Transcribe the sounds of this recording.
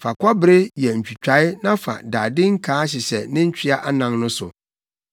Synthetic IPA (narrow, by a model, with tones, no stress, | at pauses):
fa˨kʷa˦bɪ˨ɾɪ˦jɛ˨ɲ̩˨t͡ɕᶣi˨t͡ɕᶣa˨˦ɪ˦nã˦fa̰˨daː˨dɪ˦ŋ̩˦kʰaː˨˦ɕ̬ɪ˨ɕɛ˨nɪ̃˦ɲ̩˦t͡ɕʰᶣi˦a˦ʔa˦nã˨nnʊ̃˦sʊ̰˨